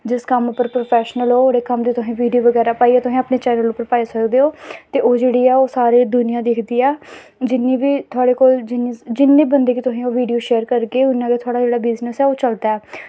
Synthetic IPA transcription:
d͡ʒɪskəmʊpːəɾpɾoːpʰɛːʃnəlɦoːoːɾeːkəmd̪iːt̪ʊsĩːʋiːɖijoːʋəɡɛːɾaːpaːiɛːt̪ʊsĩːaːpneːt͡ʃɛːnəlʊpːəɾpaːisəkd̪eːoːt̪eːʔoːd͡ʒeːɽiːɛːoːsaːɾeːd̪ʊnɪjãːd̪eːkʰd̪iːɛː | d͡ʒɪnːiːʋiːt̪ʰʊaːɽeːkoːld͡ʒɪniːd͡ʒɪnːeːbənd̪eːkiːt̪ʊsĩːoːʋiːɖijoːʃeːəɾkəɾkeːʊnːãːkeːt̪ʰʊaːɽaːd͡ʒeːɽaːbɪznəsɛːoːt͡ʃəld̪aːɛː

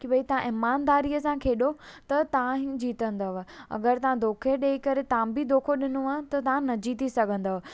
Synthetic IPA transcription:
kiɓɐit̪ɐʋ̤ãʔɪmaːnd̪aːɾiːəsãkʰeːɗot̪ɐt̪ɐʋ̤ãɦd͡ʑiːt̪ə̃nd̪ɐʋɐ̰ɡəɾt̪ɐʋãd̪oːkʰeɾɗeːikɐɾet̪ɐʋ̤ãbɪd̪ʱoːkʰoɗɪnoɐ̃t̪ɐt̪ɐʋ̤ãnɐd͡ʑiːt̪isɐɡʱə̃nd̪ɐɦ

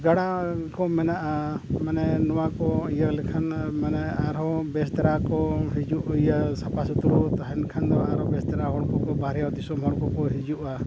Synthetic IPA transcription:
ɡaɽakɔmɛnaʔamanɛnɔwakɔijəɾlɛkʰanmanɛaɾɔbɛst̪aɾakɔɦid͡ʒuʔjasapʰasut̪uɾɔt̪aɦɛnkʰand̪ɔaɾɔbɛst̪aɾaɦɔɽkɔkɔbaɾɛjad̪isɔmɦɔɽkɔkɔɦid͡ʒuʔa

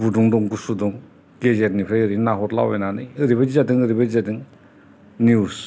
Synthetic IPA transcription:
buduŋdɔŋɡusudɔŋ | ɡezetnipʰɾajɯɾinaɦɔtla̰wejnanɯjɯɾiβad͡ʒizadɯŋɯɾibad͡ʒizadɯŋ | nius

